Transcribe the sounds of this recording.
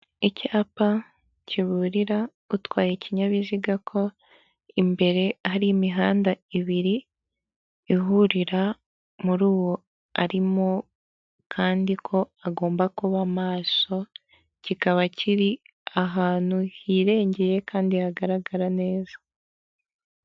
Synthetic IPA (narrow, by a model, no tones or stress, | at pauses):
icaːpa | ciβuɾiɾa | utwaːje̞ciɲaβiziɡakʰo̞ | imbe̞ɾe̞haɾimiɦaːndaiβiɾi | ɦuɾiɾa | muɾuːwo | aɾimo̞ | kʰaːndikʰo̞aɡo̞ːmbakuβamaːso̞ | cikaβacʰiɾi | aɦaːn̥huhiɾe̞ːɲɟeje̞kaːndihaɡaɾaɡaɾane̞ːzḁ